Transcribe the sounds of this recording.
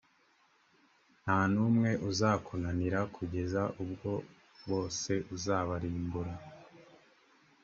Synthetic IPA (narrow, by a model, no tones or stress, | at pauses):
n̥haːnuːmŋe̞ʔuzaːkʰonaniɾakʰuɟe̞zaʔubɡo̞ | βo̞ːse̞ʔuzaːβaɾiːmbuɾa